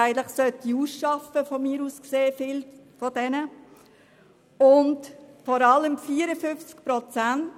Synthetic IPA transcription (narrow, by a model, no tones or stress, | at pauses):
ɪɡən̩tlɪχsœtiuːsʃɑfəfɔmiːɾuːskseːfɪl | fɔd̥ɛnə | ʊndfɔɾɑləmfiːəɾəfʏft͡skpɾɔt͡sænt